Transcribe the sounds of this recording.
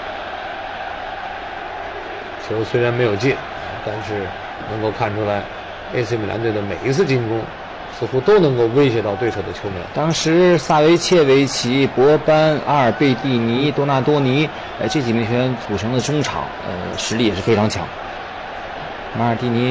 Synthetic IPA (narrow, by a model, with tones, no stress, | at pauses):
t͡ɕʰjo˧˥ʊswe˥ɪɻa˧nme˧˥ɪjo˨˩ʊt͡ɕi˥˩n˧˩ | t̪a˥˧nʂɻ̩˥˩ | nɤ˧˥ŋko˥˧ʊkʰa˥˩nʈ͡ʂʰu˥la˧˥ɪ | e˥ɪsm˩lja̰˧˥nt͡s̪we˥˩ɪd̪ə˩me˨˩ɪi˧˥t͡sʰɹ̩˥˩t͡ɕi˥˩ŋkʊ˥ŋ | sɹ̩˧xu˥t̪o˥ʊnɤ˧˥ŋko˥˧ʊwe˥ɪɕjɛ˧˥t̪ɑ˥˧ʊwe˥˩o˨˩ʊd̪ə˧t͡ɕʰjo˧˥ʊmɛ̰˧˥˦nt̪ɑ˥ŋʂɻ̩˧˥sa˥˩we˥ɪt͡ɕʰjɛ˥˩we˥˩ɪt͡ɕʰi˧˥pwɔ˧˥pa˥na˥ə˞˨˩pe˥˧ɪt̪i˥˩ni˧˥t̪wɔ˥na˥˩t̪wɔ˥ni˧˥ | ə˧ʈ͡ʂɤ˥˩t͡ɕi˨˩mi˧˥ŋt͡ɕʰɥɛ˧˥nt͡su˨˩ʈ͡ʂʰɤ˧˥ŋd̪ə˨ʈ͡ʂʊ˥ŋʈ͡ʂʰɑ̰˨˩˥ŋə̰˧ʂɻ̩˧˥i˥˩jɛ˨˩ʂɻ̩˥˩fe˥ɪʈ͡ʂʰɑ˧˥ŋt͡ɕʰjɑ̰˧˥ŋ | a˧˥ə˞˨˩t̪i˥˩ni˧˥